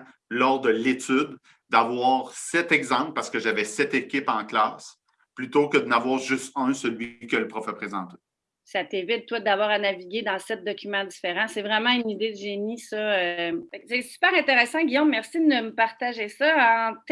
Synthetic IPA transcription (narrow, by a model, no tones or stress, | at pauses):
lɔʁd̪əlet̪yd̪ | d̪avwaːʁsɛt̪ɛɡzɑ̃plpaʁsə̥kəʒavɛsɛt̪ekʲɪpɑ̃klaːs | plyt̪okəd̪ənavwaːʁʒɨst̪ɛ̃səlɥikələpʁɔfɛpχezɑ̰̃ːt̪e̥ | sat̪evɪt̪̚t̪ːwad̪avwɑːʁanaviɡʲed̪ɑ̃sɛt̪̚d̪ɔkʲymɑ̃d̪ifeʁɑ̃sɛvʁɛmɑ̃ynid̪ed̪yʒenisɔøfɛksɛsy̥pɛːʁɛ̃t̪eʁesɑ̃ɡʲijɔ̃mːɛʁsid̪əəməpaʁt̪aʒesʌɑ̃t̪